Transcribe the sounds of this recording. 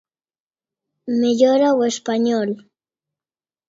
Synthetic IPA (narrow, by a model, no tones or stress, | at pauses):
meʎoɾawespaɲol